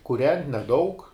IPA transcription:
kʊˈrʲɛnʲtʲ nʲɛˈdɐʊk

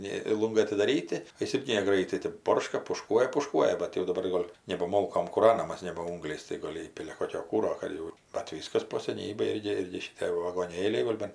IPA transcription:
ˈnʲeː ˈlˠʊŋɡɐɪ ɐtʲɪdɐˈrʲiːtʲɪ oː ˈjɪs ˈɪrʲɡʲɪ nʲɛˈɡrɐɪtɐɪ tɜp ˈboːrʃkɐ pʊˈʃkuɔjɛ pʊˈʃkuɔjɛ bɐt jɛʊ dɐˈbɐr ˈɡoːlʲ nʲɛbɐ ˈmoːlˠkoːm kuːˈrɑːnɐmɐs nʲɛbɐ ˈʊŋɡlʲɛɪs tɐɪ ˈɡoːlʲ ˈiːpʲɪlʲɛ ˈkoːkʲoː ˈkuːroː ˈkɐt jɛʊ bɐt ˈʋʲiːskɐs poː sʲɛˈnʲiːbʲeːj ˈɪrʲɡʲɪ ˈɪrʲɡʲɪ ʃʲɪˈtʲeː ʋɐɡoːˈnʲeːlʲɛɪ ˈɡoːlʲ bɐn

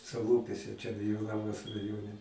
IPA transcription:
sɐˈlˠuːpʲuɔsʲɛ ˈt͡ʃʲɛ ɡʲɪ joː ˈnɑːmɐs rɐˈjoːnʲɛ

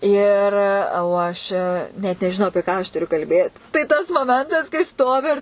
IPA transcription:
ˈɪr oː ˈɐʃ nʲɛt nʲɛʒʲɪˈnɐʊ ɐpʲiɛ ˈkɑː ɐʃ tʊˈrʲʊ kɐlʲˈbʲeːt tɐɪ tɐs moːˈmʲɛntɐs kɐɪ ˈstoːʋʲɪ ɪr

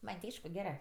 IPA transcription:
ˈmɐnʲ tʲɪ ˈɐɪʃkʊ ˈɡʲæːrɜ

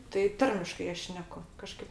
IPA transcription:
tɐɪ ˈtɐrʲmʲɪʃkɐɪ ˈɐʃ ˈʃʲnʲæːkʊ kɐˈʃkɐɪp

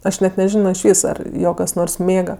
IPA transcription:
ˈɐʃ ˈnʲɛt nʲɛˈʒʲɪnoː ɪʃʲˈʋʲiːs ɐr ˈjoː kɐs ˈnoːrs ˈmʲeːɡɐ

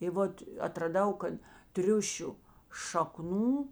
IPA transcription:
ɪ ˈʋoːt ɐtrɐˈdɐʊ ˈkɐt ˈtʲrʲʊʃʲʊ ʃɐˈknuː

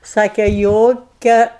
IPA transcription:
ˈsɑːkʲɛ ˈjoːkʲɛ

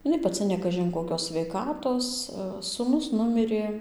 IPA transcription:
ɪˈnɐɪ pɐˈt͡sʲɪ jɛʊ nʲɛ ˈkɑːʒʲɪn koːˈkʲoːs sʲʋʲɛɪˈkɑːtoːs sʊˈnʊs ˈnʊmʲɪrʲeː

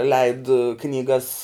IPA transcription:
lʲɛɪt knʲiːˈɡɐs

